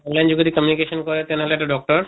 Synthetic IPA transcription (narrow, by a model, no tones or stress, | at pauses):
ɔnlajnd͡ʑuɡd̪ikɔmjunikeʃɔnkoɾet̪enɦoleeʈaɖɔk̚ʈɔɾ